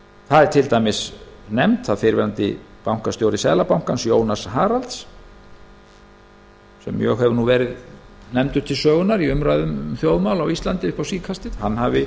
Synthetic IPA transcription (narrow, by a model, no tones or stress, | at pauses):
θaðɛɾ̥t̪ʰɪlt̪ajmɪsnɛmt̪θaðfɪɾvɛ̰ɾant̪ɪ̰ | pawŋ̥kast̪jowɾɪsɛːðlapawŋ̥kansjoːwnasɦaːɾalt̪s | sɛ̰mjœ̰ɣhɛvʏnuvɛːɾɪð | nɛmt̪ʏ̥t̪ʰɪlsœːɣʏnaɾiʏmɾajðʏmθjoːwðmawlawist̪lant̪ɪɪhpawsiːkʰast̪ɪðhanːɦavɪ